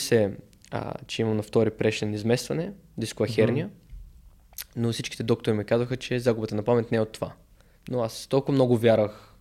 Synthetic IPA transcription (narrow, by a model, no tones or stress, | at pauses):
sɛ̰ | t͡ʃɛimɐmnɐft̪ɔɾipɾɛʃt̪ɛnizmɛst̪vɐnɛ | d̪iskoɐxɛɾnijə | nofsit͡ʃki̥t̪ɛd̪ɔk̚t̪ʊɾimɛkazvəxət͡ʃɛzaɡʊbət̪ənɐpamɛt̪ʲnɛɛot̪ːova | noast̪ɔlˠkʊvɐmnɔɡʊvʲjaɾvəx